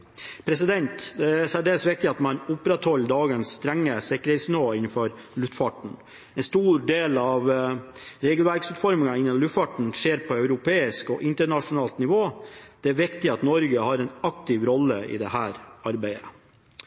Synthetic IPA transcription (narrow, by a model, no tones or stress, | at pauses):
pʰɾɛsɪd̪ɛnt̪d̪ɛæsæɖeːsʋɪk̚t̪ɪɑt̪mɑnʊpɾɛt̪hɔlːd̪ɑːɡənsːt̪ɾɛŋːəsɪkːəɾhɛt̪snɪʋoːɪnːn̩fɔɾ | lʉt̪fɑʈɳ̩ | ɛnst̪uːɾɖeːlɑʋ | ɾeːɡəlʋæɾɡsʉːt̪fɔɾmɪŋɑɪnːəlʉt̪fɑʈɳ̩ʂeːɾpʰɔœʉɾʊpʰeːɪskɔʔɪnt̪əɳɑʂʊnɑːlt̪nɪʋoːd̪̥ɛæɾʋɪkt̪ɪɑt̪nɔɾɡəhɑːɾɛnɑkt̪ɪʋɾɔlːəɪ̰d̪ɛhæːɾɑɾbæɪə̰